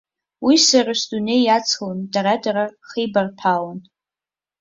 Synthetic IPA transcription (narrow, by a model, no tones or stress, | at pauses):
wisaraʃdune̞jat͡sʰondaɾadaɾaχejbarpʰalan